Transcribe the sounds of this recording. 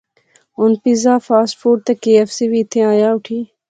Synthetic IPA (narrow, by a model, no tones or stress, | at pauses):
ʊnpizaːfaːsʈfuːɖ̚t̪ɐkeːɛfsiːʋiːɪt̪ʰẽːaːjaːʊʈʰiː